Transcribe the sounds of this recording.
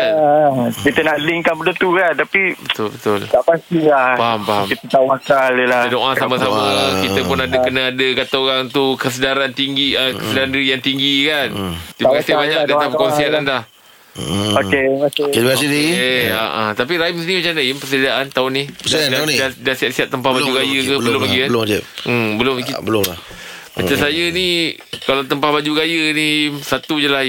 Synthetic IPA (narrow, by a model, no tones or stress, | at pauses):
a | kit̪ənaʔliŋkanpədət̪ukant̪apibət̪ʊlbət̪ʊlt̪aʔpast̪ilahbaɦampaamit̪ət̪aoŋakaləlahədoʔasamasamakit̪əpʊnadəkənəadəkat̪aoɾaŋt̪ukəs̬ədaɾant̪iŋɡiəkəsədaɾandiɾijaŋt̪iŋɡikant̪iakasibaɲakdat̪apəkonsianandah | oek̪ibkasidiea̰ʔa̰t̪ap̬iɾaimsnimət͡ʃanəimpəsədiaʔant̪aʊniəsdadaaniadahsiat̪̚siat̪̚ːəmpahbad͡ʒuɡajəkəbbəlomaɡiabəld͡ʒɛəmbəlʊmkibəlʊŋlah | mat͡ʃamsajənikalat̪əmpahbad͡ʒuɡajənisat̪ud͡ʒəlah